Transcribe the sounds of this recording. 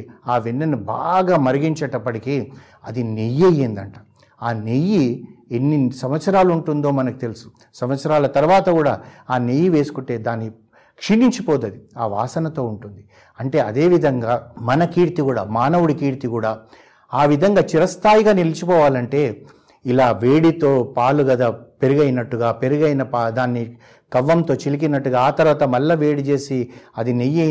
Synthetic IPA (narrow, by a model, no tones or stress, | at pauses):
aːʋinːɐniba̰ːɡaːmɐɾiɡiɲt͡ʃɐʈɐpːɐʈikiː | ɐd̪inejːejeːnd̪ɐɳʈḁː | aːnejːienːisɐmʋɐt̪sɐɾaːluuɳʈund̪o̞ːmɐnɐku̥t̪e̞lusu̥ | sɐmʋɐt̪sɐɾaːlɐt̪ɐɾʋaːt̪ɐkuːɽaːaːnejːiʋe̞ːsu̥kuɳʈe̞ːd̪aːnːi | kʂiniɲt͡ʃipɔːd̪ɐd̪iaːʋaːsɐnɐt̪o̞ːuɳʈund̪i | ɐɳʈe̞ːɐd̪e̞ːʋid̪ʱɐŋɡaːmɐnɐkiːɾt̪ikuːɽa̰ːmaːnɐʋuɽikiːɾt̪ikuːɽaː | aːʋid̪ʱɐŋɡaːt͡ʃiɾɐst̪ʰaːjiɡaːnilit͡ʃipɔːʋaːlɐɳʈe̞ː | ilaːʋeːɽit̪o̞ːpaːluɡɐd̪aːpe̞ɾuɡɐjnɐʈːuɡaːpe̞ɾuɡɐjnɐpad̪aːnːi | kɐʋːɐmt̪o̞ːt͡ʃilik̬inɐʈːuɡaːaːt̪ɐɾʋaːt̪ɐmɐlːɐʋe̞ːɽit͡ʃe̞ːsiɐd̪inij